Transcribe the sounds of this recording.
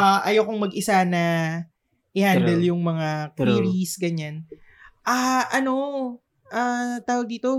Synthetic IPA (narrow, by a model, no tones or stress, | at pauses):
ʔaʔɐjokoŋmɐɡʔɪsanɐ | ʔɪhannd̪ɛljʊŋmɐŋakiɾisɡɐɲanʔaʔɐno̞ | ʔat̪aːwɐɡ̚d̪iːt̪o̞